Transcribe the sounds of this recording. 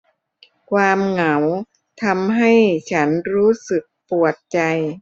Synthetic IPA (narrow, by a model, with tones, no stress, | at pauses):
kʰwaː˧mŋa˩˦w | t̪ʰa˧mɦa˥˩jt͡ɕʰa˦˥nɾuː˦˥sɯ˨˩k̚pu˨˩ət̪̚t͡ɕa˧j